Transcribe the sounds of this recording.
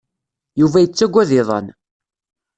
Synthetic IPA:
juvæjət͡sːæɡʷːæðɪðˤə̰n

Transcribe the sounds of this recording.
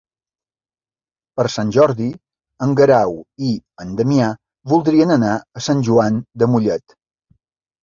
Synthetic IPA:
pəɾsanʲʒɔɾði | əŋɡəɾawiənd̪əmia | βulˠd̪ɾiənənaəsanʲʒuand̪əmuʎɛt̪

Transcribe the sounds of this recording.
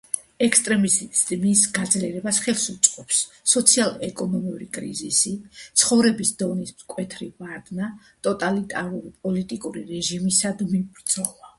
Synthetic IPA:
ɛkst̪ʼɾɛmisd̪misɡad̪zliɛɾɛbasχɛlˠsut̪sʼqʼɔpsː | ɔt̪sʰialˠɛkʼɔnɔmiuɾikʼɾḭzisit̪sʰχɔvɾɛbisd̪ɔnismkʼwɛt̪ʰɾivaɾd̪na | t̪ʼɔt̪ʼalit̪ʼaɾuɾipʼɔlit̪ʼikʼuɾḭɾɛʒimisad̪miɡd̪zɔla

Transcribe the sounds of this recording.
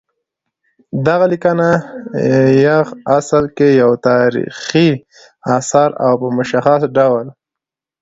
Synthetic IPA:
d̪aɣalikana | jaɣasəlkejawt̪ɑɾḭxi | asɑɾa̰wpəmʊʃaxasɖawl

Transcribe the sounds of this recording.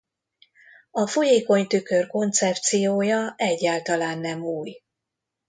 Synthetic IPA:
ɒfojeːko̞ɲt̪ykørko̞nt̪sɛp̚t̪sijoːjɒʔɛɟːaːlt̪ɒlaːnːɛmuːj

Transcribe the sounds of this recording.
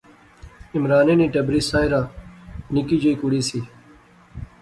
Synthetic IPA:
ɪmɾaːnẽːniːʈəbɾiːsaːɪɾaːnɪkiːd͡ʒəiːkʊɽiːsiː

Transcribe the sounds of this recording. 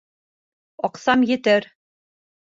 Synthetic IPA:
ɒqsɑmjɘ̆t̪ɘɾ

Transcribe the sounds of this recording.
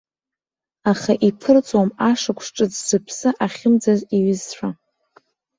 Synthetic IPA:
aχaʔipʰɨrt͡sʼwamaʂakʷʰʂʈ͡ʂʼɨzz̥ɨpʰsɨʔaχʲɪmd͡zaziɥɪzħʷᶣa

